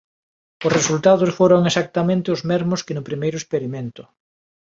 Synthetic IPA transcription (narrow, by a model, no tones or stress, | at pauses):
ʊsresult̪að̞ʊsfoɾoŋesak̚t̪amẽnt̪ɪʊzmɛɾmʊskɪnʊpɾimejɾʊespeɾimẽnt̪ʊ̥